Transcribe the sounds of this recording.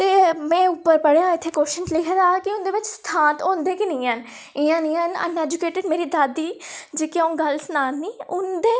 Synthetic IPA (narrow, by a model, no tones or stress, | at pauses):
t̪eːmɛ̃ːʊpːəɾpəɽjãːɪt̪ʰːeːkoːʃənd͡ʒlɪkʰəɾaːkɪʊnd̪eːʋɪt͡ʃst̪ʰãːnt̪õːnd̪eːkɪnĩːən | ɪãːnĩːənə̰nɛːd͡ʒʊkeːʈɪɖmeːɾiːd̪aːd̪iːd͡ʒeːkɪõːɡəlsnaːnːiːʊnd̪eː